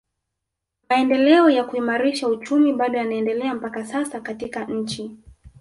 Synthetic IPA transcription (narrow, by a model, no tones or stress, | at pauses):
maɛndɛlɛɔjakuimaɾiʃaut͡ʃumiɓaɗɔjanaɛndɛlɛam̩pakasasakatikaɲ̩t͡ʃi